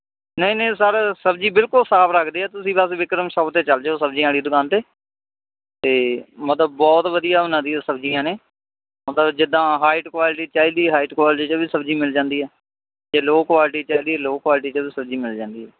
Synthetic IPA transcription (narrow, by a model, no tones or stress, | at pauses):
nəĩːnə̃ːs̬aːɾesəb̚d͡ʒiːbɪlkʊlsaːpɾəkʰd̪iːɛːt̪ʊsĩːbəsʋɪkɾəmʃət̪eːt͡ʃəld͡ʒeːoːsəbd͡ʒĩãːɽiːd̪ʊkaːnt̪eː | t̪eːmət̪ləbːɔːt̪ʋəd̪ijaːʊnãːd̪iɛːsəbd͡ʒijãːneː | mət̪ləbd͡ʒɪd̪ãːɦaːɪʈkwaːlɪʈiːt͡ʃaːiːd̪iːɦaːiʈkwaːlɪʈiːt͡ʃəbiːsəbd͡ʒiːmɪld͡ʒãːnd̪iːɦɛː | d͡ʒeːloːkʋaːlɪʈ̬iːt͡ʃaːiːd̪iːɛːloːkwaːlɪʈ̬iːt͡ʃəbiːsəbd͡ʒiːmɪld͡ʒãːnd̪iːɦɛː